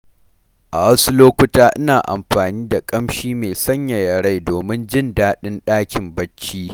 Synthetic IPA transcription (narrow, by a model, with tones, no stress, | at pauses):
ʔa˨wɐ˦su˦loː˦kʷʊ˦taː˦ʔɪ˦naː˨ʔa̰˨mɸaː˨niː˦da˨kʼɐ˦mʃiː˦meː˨sɐ˦ɲja˨jɐ˨ɽa˦jdoː˨mɪ˦nd͡ʒɪ˦ndaː˦ɗɪ˦nɗaː˦kʲɪ˨mbɐ˦t͡ʃːiː˦